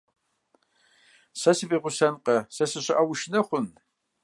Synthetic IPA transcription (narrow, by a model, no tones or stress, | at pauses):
sɐsɨviʁʷʊsɐnqʼɐsɐsɨɕʷaʔawʊʃnɐχʷʊn